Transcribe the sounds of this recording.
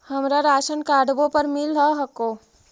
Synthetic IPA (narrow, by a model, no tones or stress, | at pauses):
həmɾaɾasənkaɖbopəɾmilɦəɦəko